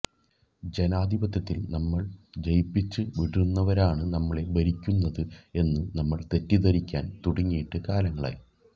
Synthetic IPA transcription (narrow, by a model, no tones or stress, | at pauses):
d͡ʑe̞naːd̪ʱibɐt̪ːjɐt̪ːilnɐmːɐɭd͡ʑɐjpːit͡ɕːɨʋiɽunːɐʋɐɾaːɳɨnɐmːɐɭe̞bɐɾikʲːunːɐðɨe̞nːɨnɐmːɐɭt̪e̞tːiðɐɾikʲːaːnt̪uɽɐŋːijiʈːɨkaːlɐŋːɐɭa̰ːj